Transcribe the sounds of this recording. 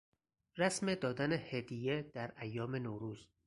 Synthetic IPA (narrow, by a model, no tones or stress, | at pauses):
ɾæsmed̪ɒːd̪ænehed̪ijed̪̥æɾæjːɒːme̞noːɾuːz